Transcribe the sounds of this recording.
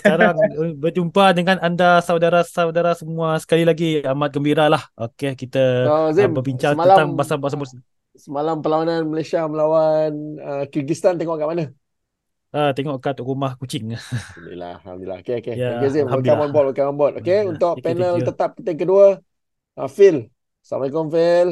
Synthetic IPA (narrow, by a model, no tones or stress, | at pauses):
sə̥aɾaŋbəd͡ʒumpadəŋanandasawdaɾasawdaɾasəmũasə̥kalilaɡiamat̪̚ɡəmbiɾalahokekit̪əozimbəbiɲt͡ʃaŋaaaŋbasabas̬abus | səmalampəlawananməlajsiaməlawanəkirɡist̪ant̪eŋɔʔkaʔmanə | ʔət̪eŋɔʔkat̪uʔɾumahkut͡ʃɪŋmḭla̰a̰mdila̰hokeokejaɡazimiamabɔlokamambɔt̪okeunt̪ʊʔpɛnəlt̪ət̪ap̚kət̪əŋkəduə | ʔəfil | sa̰makɔnfɛl